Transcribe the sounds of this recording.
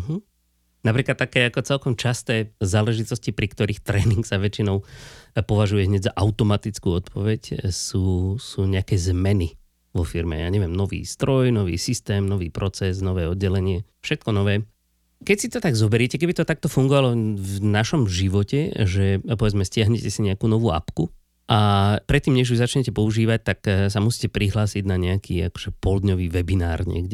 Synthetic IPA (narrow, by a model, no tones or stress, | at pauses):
ɦ̩ | napɾiːklat̪ːakɛːakɔt͡sɛlkɔmt͡ʃast̪ɛːzaːlɛʒit̪ɔscipɾikt̪ɔɾiːxt̪ɾɛːniŋksaʋɛt͡ʃinɔʊpɔʋaʒujɛɦɲɛɟzaʔaʊt̪ɔmat̪it͡skuːɔt̪pɔʋɛcsuːsuːɲɛakɛːzmɛni | ʋɔfiɾmɛ̰ja̰ːɲɛʋɪɛmnɔʋḭːst̪ɾɔjnɔʋḭːsist̪ɛːmnɔʋiːpɾɔt͡sɛsnɔʋɛːɔd̪̚ɟɛlɛɲɪɛfʃɛt̪̚kɔnɔʋɛː | kɛcsit̪ɔt̪aɡzɔbɛɾɛcɛkɛbit̪ɔt̪ak̚t̪ɔfuŋɡɔʋalɔvnaʃɔmʒiʋɔcɛʒɛpɔʋɛd͡zmɛscɪaɦɲɛcɛsiɲɛakuːnɔʋuːa̰pku | ʔapɾɛt̪ːiːmɲɛʒuzat͡ʃɲɛcɛpɔuʒiːʋac̚t̪aks̬amusiːcɛpɾiɦlaːsiɟnaɲɛakʰiːa̰kɔ̥ʒ̥ɛpɔld̪ɲɔʋiːʋɛbinaːɾɲɛ̰ɡɟɛ